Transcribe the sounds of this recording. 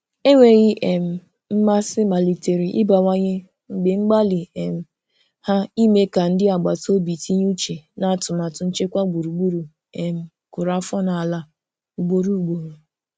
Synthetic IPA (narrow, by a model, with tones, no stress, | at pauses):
e˦wʷe˨ɣɪ˦ʔe˨m̩˨ | m̩˦ma˦sɪ˦ma˨li˨te˨ɾi˨ʔɪ̰˦ba˨wa˦ɲɪ˦ | ŋ͡m̩˨ɡ͡bɪ˨ŋ͡m̩˦ɡ͡ba˦li˨e˨m̩˨ | ha˦i˦me˦ka˨n̩˦dɪ˦a˨ɡ͡ba˨to˦bi˨ti˦ɲ˦u˦t͡ʃe˨na˨tʊ˨ma˨tʊ˨n̩˦t͡ʃe˦kʷa˦ɡ͡bu˨ɾu˨ɡ͡bu˦ɾu˨ | e˨m̩˨ | kʊ˨ɾa˦fɔ˦na˨a˨la˦ | u˨ɡ͡bo˦ɾu˦u˨ɡ͡bo˨ɾu˨